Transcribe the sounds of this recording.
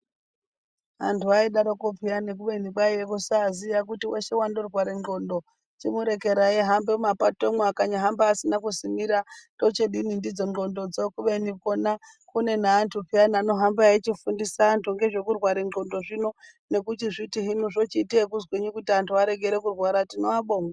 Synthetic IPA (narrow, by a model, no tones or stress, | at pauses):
ɦantʰuaiɗaɾokopianek̬uʋenikaiekusaːzijakutiweʃe̞wandorwaɾed͡ɮo̞ndo | t͡ʃimuɾe̞ke̞ɾaiɦambemapatomwuakaɲaɦambaːsinakusimiɾato̞t͡ʃeɗinindid͡zo̞ŋɡo̞ndo̞d͡zokuɓenikona | kune̞naːntʰupʰianano̞ɦambaait͡ʃifundisaːntʰuŋɡe̞ʐe̞kurwaɾenɡo̞ndo̞ʐino̞ | ne̞kutiʐitiɦinuʐot͡ʃitiekuzweɲikutiantuaɾe̞ɡʱe̞ɾe̞kurwaɾatinoaɓoːŋa